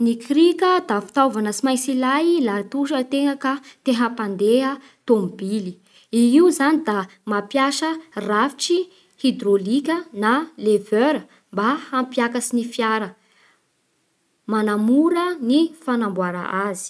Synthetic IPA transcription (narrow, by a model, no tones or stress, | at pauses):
nikɾikəd̪afi̥t̪awvanəsimajt͡silajlat̪uʃət̪eŋakat̪eɦəpand̪eɦə | t̪ombili | iiuzanid̪amapjaʃərafi̥ʈ͡ʂi | hid̪rolikʲənalevøɾə | mbahampjakasinifjaɾə | manamuɾənifanambwaɾa̰ʔazi̥